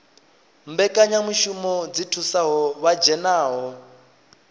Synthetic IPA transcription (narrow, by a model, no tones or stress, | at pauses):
m̩bɛkʼaɲamuʃumɔd͡zitʰusaɦɔβad͡ʒɛnaːɦɔ